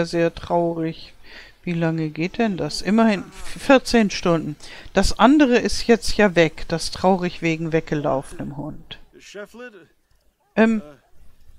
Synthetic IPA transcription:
zeːɐtʁ̥aʊʁɪç | v̥iːlaŋəɡeːt̚d̥ɛndasʔɪmɐhɪnfɪɐt͡seːnʃtʊndn̩d̥asʔandəʁ̞əʔɪstjɛt͡stjaːvɛkd̥astʁ̥aʊʁɪçv̥eːɡŋ̩vɛk̚ɡ̥əla̰ʊfənəmhʊnt | ʔɛm

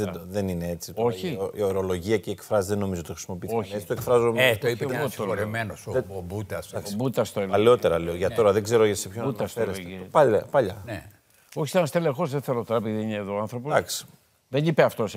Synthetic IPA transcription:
ðed̪oðeninee̞t͡sit̪o̞çioio̞ɾo̞lo̞ʝiɐceːkfɾɐzðeno̞mizot̪oxɾisimo̞pioçet͡si̥t̪oekfɾɐzomet̪oipeoooɾemenosebut̪ɐsɐkosbut̪ɐst̪oelɐleo̞t̪e̞ɾɐleoʝɐt̪o̞ɾɐðeɡze̞ɾoʝɐsepçonut̪ɐseesipaʎɐpaʎɐne | oçiseɐnɐst̪elexo̞zðeθeɾot̪ɾɐpiðiineːðoanθɾo̞p̬oɐksi̥ | ðenipeɐft̪os

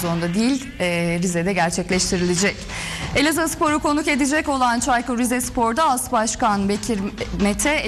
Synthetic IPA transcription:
zond̪ad̪ijilʲː | ɾizɛd̪ɛɟæɾt͡ʃʰɛclʲɛʃt̪ʰiɾilʲid͡ʒɛc | elʲazaspo̞ɾuko̞nuke̞d̪id͡ʒɛco̞lˠant͡ʃʰajkuɾizɛspʰo̞ɾd̪aasbaʃkanbecʰiɾmet̪ʰɛ

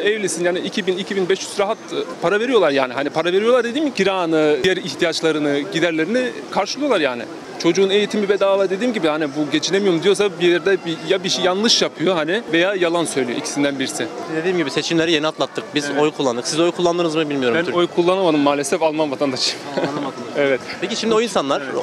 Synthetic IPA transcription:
ɛvlʲisinjaːniicʰibinicʰibinbɛʃjyzɾaɦat̪pʰaɾave̞ɾijo̞lˠaɾja̰ːniɦanipʰaɾaveɾijolˠaɾd̪e̞d̪iːmɟiɾaːnɯijæɾiçt̪ʰijat͡ʃlˠaɾɯnɯɟid̪æɾlʲe̞ɾini | kʰaɾʃɯlˠujo̞lˠaɾjaːnɪ̰ | t͡ʃʰo̞d͡ʒuːne̞jit̪ʰimbibed̪aːlˠaɾd̪ed̪iːmɟibihanibuɟe̞t͡ʃʰinemijo̞ɾumd̪ijo̞s̬abieɾid̪ɛbijabiʃijanlˠɯʃjapʰɯjo̞ɦanɪve̞jaːjalˠansø̞jlʲijo̰cʰi̥sind̪ænbiɾisɪd̪e̞d̪iːimɟibise̞t͡ʃʰimlʲe̞ɾijeniat̪mat̪ːɯk̚bizojkʰulˠːand̪ɯksizojkʰulˠːand̪ɯːnɯzmɯbilʲmijo̞ɾuojkʰulˠːanamad̪ɯmːaːlʲesɛfalˠmanvat̪ʰand̪aʃ | ɛvɛt̪pʰeciʃimd̪io̞insanlˠaɾ

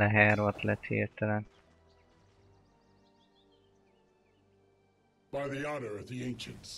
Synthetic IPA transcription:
ɛɦæːɾoat̪ʰlɛt̪hḛːt̪ʰəɾə | b̥aɪðiɑɾə˞ɨt̪̚ðiẽɪ̃nʃɨ̃nts

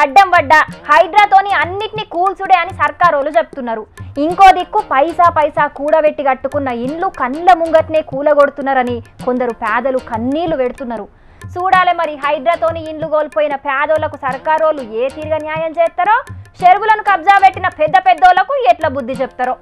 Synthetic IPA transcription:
ɐɖːɐmʋɐɖːɐhɐjɖɾaːt̪o̞ːniɐnːiʈinikuːlsuɽeːɐnisɐɾkaːɾoːlut͡ʃeput̪unːɐɾuiŋko̞ːd̪ikːupɐjsaːpɐjsaːkuːɽɐʋeʈːiɡɐʈːukunːɐiɳlukɐnːlɐmuŋɡɐʈneːkuːlɐɡo̞ɽut̪unːɐːɾɐniko̞nd̪ɐɾupɛːd̪ɐlukɐnːiːluʋeɽut̪unːɐɾu | suːɽaːlemɐɾiɦɐjɖɾaːt̪o̞ːniiɳluɡoːlpoːjinɐpaːd̪oːlɐkusɐɾkaːɾoːlueːt̪iːɾɡɐnjaːjɐmt͡ʃɛːst̪ɐɾoːʃeɾʋulɐnukɐb̚d͡ʒaːpe̞ʈːinɐpɛd̪ːɐpɛd̪ːɔːlɐkueʈlɐbud̪ːit͡ʃeput̪ɐɾoː

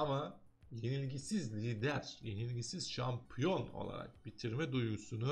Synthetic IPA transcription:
ama | je̞nilʲɟisizlʲiːd̪æɾje̞nilʲɟisiz̥ʃampʰjo̞no̞̰lˠa̰ɾa̰k̚bit̪ʰiɾmɛd̪ujɡusunu

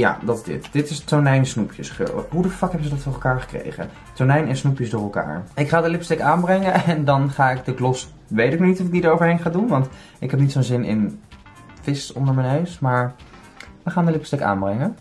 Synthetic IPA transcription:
ja̰ːdɑtzdɪ̰td̥ɪtɪstoɹnɛjnsnupʰjəsχø̰lɦudəfɑkɦɛbənzədɑtfʊːɹɛlˠkaːɹχə̥krḛjχə̰ | tɔɹnɛjnɛnsnupjəsdʊːɹɛlˠka̰ːɹɪkχaːdəlɪpstɛkaːnbrɛŋəɛndɑnχaːɪɡ̚dəɡlɔs | ʋejtɪk̚nɔnitɔfɪkɡ̚didəɹowvəɹɦejnχaːdunʋɑnt | ɪkɦɛp̚nitsownzɪnɪ̰n | fɪsɔndəɹmənɦøɥsmaːɹ | ʋəχaːndəlɪpstɛka̰ːnbrɛŋə

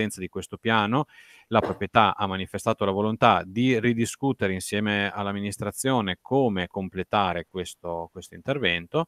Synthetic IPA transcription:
ɛnt̪sad̪ikwest̪opjaːno | lapɾopɾjet̪aʔamːanifest̪aːt̪olavolont̪ad̪irid̪iskut̪eɾeinsjɛːmealːamːinist̪ɾat̪sːjoːnekʰoːmekomplet̪aːɾekwest̪okwest̪oint̪ervɛnt̪o

